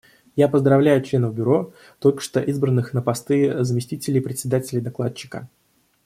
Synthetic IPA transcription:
japəzd̪ɾɐvlʲæjʊt͡ɕlʲe̞nəvbʲʊɾo̞ | t̪o̞lʲkə̥ʂt̪oʔizbɾənːɨxnəpast̪ɨzəmʲɪsʲtʲitʲɪlʲɪjpɾʲɪtʲsʲɪd̪atʲɪlʲɪjd̪ɐklˠat͡ɕːɪ̥kə̰

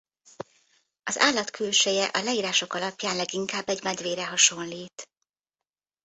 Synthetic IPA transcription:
ɒza̰ːlːɒt̪kʰølʃejɛʔɒlɛiːɾaːʃo̞kɒlɒpjaːnlɛɡiŋkaːbːɛɟmɛd̪ʋeːɾɛɦɒʃo̞nliːt̪

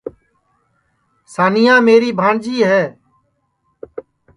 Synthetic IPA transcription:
saːnɪjãːmeːɾiːbʱãːɳd͡ʒiːɦɛː

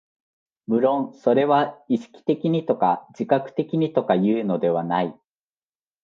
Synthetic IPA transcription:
mɯ̟ɾõ̞ñso̞ɾe̞βaiɕi̥kʲi̥t̪e̞kʲiɲ̟it̪o̞kad͡ʑikakɯ̟̥t̪e̞kʲiɲ̟it̪o̞kajɯ̟ːno̞d̪e̞β̞anai

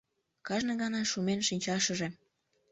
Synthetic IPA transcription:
kɑʒnɤ̆ɣɑnɑʃumenʃinʲt͡ɕɑʃə̆ʒe

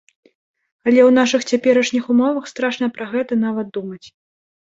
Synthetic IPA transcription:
ɐlʲɛwn̪aʂɨxt͡sʲapʲɛɾɐʂnʲixumɔvɐxst̪ɾaʂnɐpɾɐɣɛt̪ɐn̪avɐt̪̚d̪umɐt͡sʲ

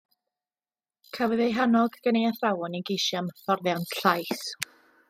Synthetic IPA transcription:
kʰavəðejɦanɔɡɡ̥ənejaθrawɔniɡeʃjamfɔrðjanʰɬajθ

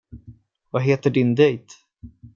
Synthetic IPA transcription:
vaɦeːt̪əɖɪnd̪ɛjt̪

